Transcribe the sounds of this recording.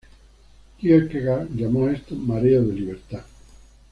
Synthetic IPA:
kiekeɣaʎamoest̪omaɾeoðeliβ̞eɾt̪a

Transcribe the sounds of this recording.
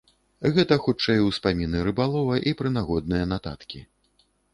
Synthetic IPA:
ɣɛt̪ɐxut͡ʂɛjwspamʲinɨɾɨbalˠɔvɐʔipɾɨnaɣɔd̪̚nɨjɐnat̪a̰t̪kʲḭ

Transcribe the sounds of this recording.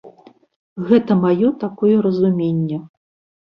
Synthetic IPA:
ɣɛt̪ɐmajɔt̪akɔjɛɾɐzumʲenʲːɐ

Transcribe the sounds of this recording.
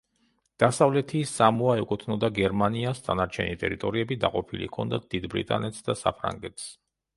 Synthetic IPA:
d̪̥asavlɛt̪ʰisamuaɛkʼut̪ʰnɔd̪aɡɛɾmaniasd̪anaɾt͡ʃʰɛnit̪ʼɛ̰ɾit̪ʼɔɾiɛbid̪aqʼɔpʰilḭkʰɔnd̪at̪̚d̪id̪bɾḭt̪ʼa̰nɛt̪sd̪asa̰pʰɾa̰ŋɡɛt̪ʰs

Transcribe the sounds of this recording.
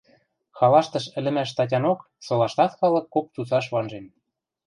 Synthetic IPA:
xɑlɑʃt̪ɤ̆ʃə̆lɘ̆mæʃt̪ɑt̬ʲɑnok | solɑʃt̪ɑt̪xɑlɤ̆kːok̚t͡sut͡sɑʃβɑnʒen

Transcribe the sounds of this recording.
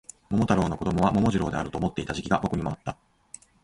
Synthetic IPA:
mo̞mo̞t̪aɾo̞ːnoko̞d̪o̞mo̞β̞amo̞mo̞ʑiɾo̞ːd̪e̞aɾɯ̟t̪o̞ːmo̞t̪ːe̞it̪aʑikʲiɡabo̞kɯɲ̟imo̞at̪ːa

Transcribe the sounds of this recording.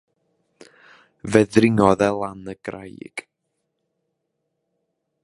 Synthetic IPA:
vɛðrɪŋɔðɛlˠanəɡ̥ra̰j̰ɡ̥

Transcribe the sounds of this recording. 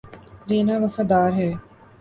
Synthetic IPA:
ɾiːnaːʋɐfɐd̪aːɾɦe

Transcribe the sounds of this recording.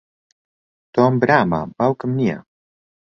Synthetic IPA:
t̪ombɾaːma̰bawkəmnia̰

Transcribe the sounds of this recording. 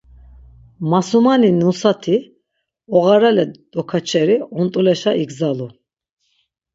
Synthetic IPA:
masumaninusat̪ʰi | ɔɣaɾalɛd̪̥ɔkʰat͡ʃʰɛɾiɔnt̪ʼulɛʃaiɡzalu

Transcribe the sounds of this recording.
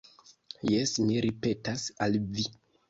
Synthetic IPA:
jesmiɾipe̞tasalvi

